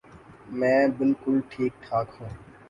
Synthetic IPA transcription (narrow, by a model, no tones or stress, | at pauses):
mɛ̃ːbɪlkʊlʈʰiːk̚ʈʰaːkɦũː